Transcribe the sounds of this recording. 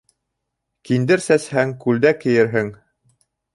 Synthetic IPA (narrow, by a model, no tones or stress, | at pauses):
kind̪ɘɾsæshæŋkʉld̪ækɘ̆jɘɾɦɘŋ